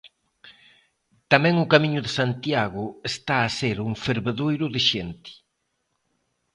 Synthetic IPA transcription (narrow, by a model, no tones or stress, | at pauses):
t̪amɛ̃ŋʊkamiɲʊðesant̪jaɣʊest̪aːseɾuŋfeɾβeðojɾʊðeʃent̪i̥